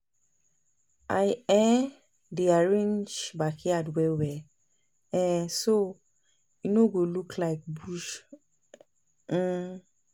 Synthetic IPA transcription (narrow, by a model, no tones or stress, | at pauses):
ʔajɛ̃n | diaɹẽnd͡ʒbakʰeadwɛwɛ | ɛ̃so | inoɡoluklaɪk̚buʃ